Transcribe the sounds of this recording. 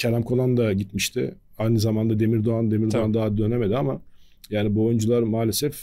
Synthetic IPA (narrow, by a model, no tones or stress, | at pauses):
cʰelʲæmkʰo̞lˠand̪aɟit̪miʃt̪ʰɪ̰ | ajnɯzamand̪ad̪e̞miɾd̪oand̪e̞miɾd̪oand̪aɦad̪ø̞neme̞d̪iama | jaːnibojund͡ʒulˠaɾmaːlʲe̞sɛf